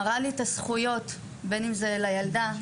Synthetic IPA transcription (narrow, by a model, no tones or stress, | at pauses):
ʁalitasχujo̞t | be̞nimzelajald̪a